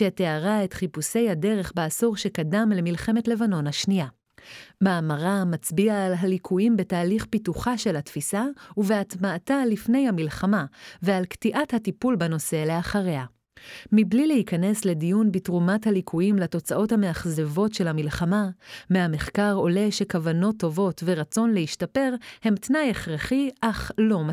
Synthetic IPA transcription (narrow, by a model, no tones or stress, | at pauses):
ʃeteaʁaetχipuse̞jhade̞ʁe̞χbeasuʁʃe̞kadamle̞milχe̞me̞tle̞vano̞nhaʃnia | maːmaʁamat͡sbiaːlɦalikʰuimbetaːliχpituχaʃe̞lhatfisauveatmaːtalifne̞jhamilχamavealktiʔathatipulbeno̞se̞leaχaʁe̞a | miblilehikane̞sle̞dijunbitʁumathalikʰuimlato̞t͡saʔo̞thame̞aχzevo̞tʃe̞lhamilχamameameχkaʁo̞le̞ʃe̞kavano̞tːo̞vo̞tve̞ʁat͡so̞nleiʃtape̞ʁhe̞mtnajeχʁaχiʔaχlo̞ma